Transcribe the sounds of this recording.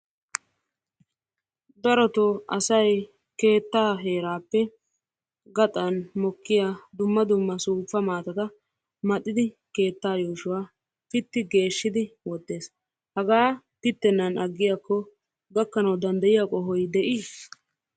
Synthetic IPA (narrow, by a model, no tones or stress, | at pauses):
d̪ɐɾɔt̪ɔɐ̰sɐj | ke̞ːt̪ːaːɦe̞ːɾaːpːɛ | ɡɐt̪ʼɐnmɔkːɪjaːd̪ʊmːɐd̪ʊmːɐsuːfːɐmaːt̪ɐt̪ɐ | mɐt̪ʼːɪd̪ɪ | ke̞ːt̪ːaːjoːʃʊwaː | pɪt̪ːɪɡe̞ːʃːɪd̪ɪwɔd̪ːe̞ːs | hɐɡaː | pɪt̪ːɛnːɐnɐɡːɪjaːkːɔ | ɡɐkːɐnɐwd̪ɐnd̪ɐjɪjakʼɔɦɔjd̪ɛʔiː